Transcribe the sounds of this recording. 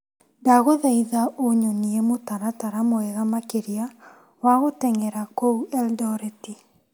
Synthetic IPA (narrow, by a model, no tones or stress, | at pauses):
daɣoðaiðaoɲoniemotaɾataɾamoɛɣamakeɾia | waɣotɛŋɛɾakouɛldɔɾeti